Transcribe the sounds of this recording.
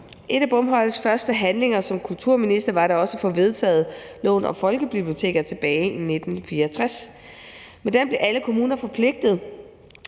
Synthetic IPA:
ʔe̝ɾ̥æb̥ɔ̽mɦɒ̽l̰sfɶɐsd̥əɦænle̝ŋɐsɒ̽mkʰult͡sʰuɐ̰minisd̥ɐʋɑ̈ɾɑ̈ɒ̽səfɒ̽ʋe̝ð̞ˠt͡sʰɛ̰ːð̞̩ˠlɔ̰̽ːnɒ̽fɒ̽lɡ̥əb̥ib̥lio̝t͡sʰe̝̰ːɡ̥ɐt͡sʰe̝b̥ɛːɪʔine̝d̥n̩fiːɐt͡sʰʁas | med̥emb̥le̝ʔæləkʰo̝muːnɐfɒ̽pʰle̝ɡ̥̚d̥ð̞̩ˠ

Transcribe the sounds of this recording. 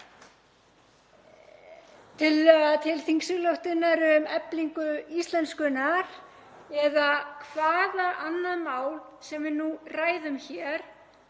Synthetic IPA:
t̪ʰɪlt̪ʰɪlθiŋksʏɣlœwht̪ʏnːaɾʏmɛpliŋkʏist̪lɛnt̪skʏnaɾ̥ | ɛðakʰvaːðaʔanːaðmaːwl | sɛmvɪnuraːjðʏmçɛɾ̥

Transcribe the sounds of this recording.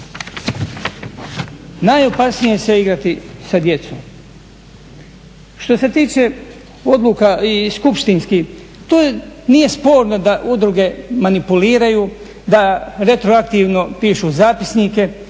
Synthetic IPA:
najo̞pasnije̞seiɡɾat̪isad̪je̞t̪som | ʃt̪o̞se̞t̪iːt͡ʃe̞ | o̞d̪lukaiskupʃt̪inski | t̪oːnije̞spo̞ːɾno̞d̪aʔud̪ɾuɡe̞manipuliːɾaju | d̪aɾe̞t̪ɾoakt̪iːʋno̞piːʃuzaːpi̥snike̞

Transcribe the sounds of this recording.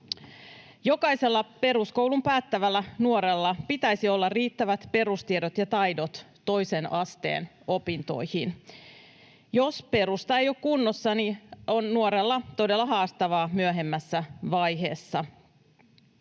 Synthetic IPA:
jo̞kɑjse̞lːɑpe̞ɾuskouwlumpæːt̪ːæʋælːænuoɾe̞lːɑpit̪æjsio̞lːɑrriːt̪ːæʋæt̪pe̞ɾust̪iedot̪jɑt̪ɑjdot̪ːo̞jse̞nʔɑst̪ḛːn | o̞pint̪o̞̰jhin | jo̞spe̞ɾust̪ɑejokkunːosːɑnio̞nːuoɾelːɑt̪o̞delːɑɦɑːst̪ɑʋɑːmyøɦe̞mːæsːæʋɑjɦe̞̰ːsːɑ

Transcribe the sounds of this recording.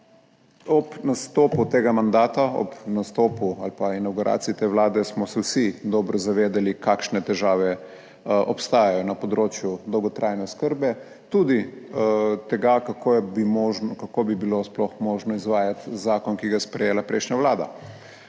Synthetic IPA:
ɔpnast̪oːput̪eːɡamand̪aːt̪aɔ̰pnast̪oːpualpainawɡuɾʔa̰ːt̪siit̪eːʋlaːd̪ɛsmɔsɛwsid̪ɔːbɾɔzaʋeːd̪alikakʃnɛt̪ɛʒaːʋɛ | ɔpst̪aːjajɔnapɔd̪ɾoːt͡ʃjud̪ɔwɡɔt̪ɾʔaːjnɛskəɾbɛ | t̪uːd̪i | t̪ɛɡakakobimɔʒkakobibilosplɔxmɔːʒnɔizʋaːjat̪zaːkɔnkiɡajɛspɾɛjeːlapɾɛjʃnɲaʋlaːd̪a̰

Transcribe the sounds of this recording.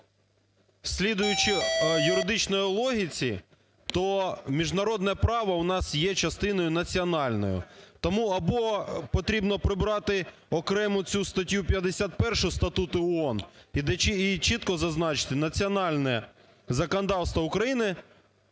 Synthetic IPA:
sʲlʲid̪ʊjʊt͡ʃɪjʊɾɪd̪ɪt͡ʃnɔjʊlˠɔɦʲit͡sʲi | t̪ɔmʲiʒnɐɾɔd̪nɛpɾɑʋɐwnɑsjɛt͡ʃɐst̪ɪnɔjʊnɐt͡sʲiɔnɑlʲnɔ̰jʊ̰t̪ɔmuɐbɔpɔt̪ɾʲibnɔpɾɪbɾɑt̪ɪ | ɔkɾɛmʊt͡sʲust̪ɐtʲjupʲjɐd̪esʲat̪̚pɛrʃʊjst̪ɐt̪ut̪ʊɔɔnid̪ɛit͡ʃit̪kɔzɐznɑt͡ʃɪ̥t̪ɪnɐt͡sʲiɔnɑlʲnɛ | zɐkɔnɔd̪ɑwst̪ʋɔʊkɾɐjinɪ

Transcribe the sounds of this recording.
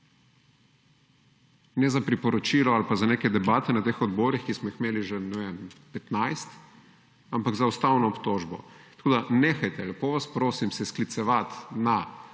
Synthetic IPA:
nɛzapɾipɔɾɔt͡ʃiːlɔalpazaneːkɛd̪ɛbaːt̪ɛnat̪eːxɔd̪bɔːɾixkismɔixmeːliʒenɛʋempɛt̪najst̪ | ampaɡzaust̪awnɔːpt̪oːʒbɔ̰t̪ɐ̥koːd̪aneːxajt̪ɛlɛpoːʋaspɾoːsimsɛsklit̪sɛʋat̪na

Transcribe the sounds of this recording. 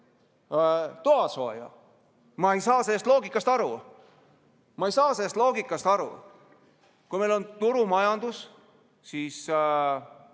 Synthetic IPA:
t̪uɑso̞̰ːjɑ̰ | mɑejsɑːselːst̪lo̞ːɡikːˑɑst̪ɑɾu | mɑejsɑːselːst̪lo̞ːɡikːˑɑst̪ɑɾṵ | kujme̞jlo̞nt̪uɾumɑjɑnd̪us | siːs

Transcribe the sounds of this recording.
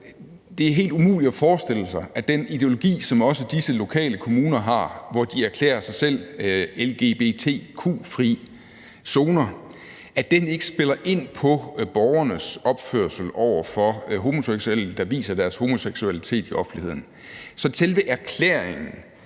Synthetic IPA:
d̥e̝æɐɦe̝̰ːld̥umṵːlid̥ɒfɒːsd̥e̝l̰əsɑ̈ɪʔæd̥enid̥e̝o̝lo̝ɡ̥ḭːsɒ̽mɒ̽səd̥isəlo̝kʰɛ̰ːləkʰo̝muːnɐɦɑ̈ʋɒd̥iæɐkʰlḛːɐsɑ̈ɪsel̰elɡ̥e̝̰b̥e̝̰ːt͡sʰe̝̰ːkʰṵːfʁḭ | so̝ːnɐ | ʔæd̥ene̝ɡ̥ə̥sb̥e̝lɐʔe̝n̰pʰɒ̽b̥ɒʊɐnəsɒ̽b̥føɐsl̩ɒʊ̰ɐfɒ̽ɦo̝mo̝seɡ̥suel̩d̥ɑ̈ʋḭːsɐd̥æɐsho̝mo̝seɡ̥suælit͡sʰe̝̰ːd̥iʔɒ̽fn̩lihe̝ð̰ˠn̩ | sɒ̽sʰelʋəʔæɐkʰlḛɐeŋn̩

